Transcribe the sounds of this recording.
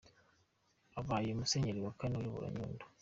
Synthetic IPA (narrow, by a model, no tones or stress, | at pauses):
aβaːjomuseɲeɾiwakanojoβṵɾa̰ɲṵːndo̥